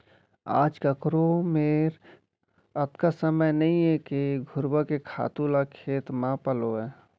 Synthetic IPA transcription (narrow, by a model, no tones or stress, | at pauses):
a̰ːd͡ʒkəkɾomeɾ | ət̪kasəməjnəɦĩɦɛkeɡʱʊɾbakekʰa̰ːt̪ulakʰeːt̪mãpəloɛː